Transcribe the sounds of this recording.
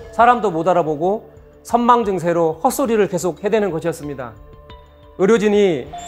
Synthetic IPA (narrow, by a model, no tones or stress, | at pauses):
sʰaɾamdomodaɾaboɡo | sʰʌnmaŋd͡ʑɯŋs̬ʰe̞ɾohʌs͈uɾiɾɯɭke̞s̬ʰok̚he̞dwe̞nɯnɡʌɕʰijʌs͈ɯmɲida̰ | ɯɾjod͡ʑiɲi